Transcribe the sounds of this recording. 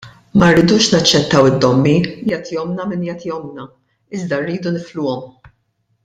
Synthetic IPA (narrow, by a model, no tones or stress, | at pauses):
mɐɾːɪd̪uːʃnɐt͡ʃːɛt̪ːɐwɪd̪ːɔmːijɐt̪jɔmnɐmɪnjɐt̪jɔmnɐ | ɪzd̪ɐrːiːd̪unɪflʊːɔm